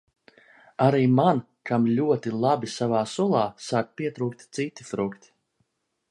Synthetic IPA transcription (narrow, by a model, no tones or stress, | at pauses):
aɾiːman | kamlʲuɔt̪ilˠabisavaːsulˠɑːsaːk̚piɛt̪ɾuːkt̪ʲt̪sit̪ifɾukt̪ʲi̥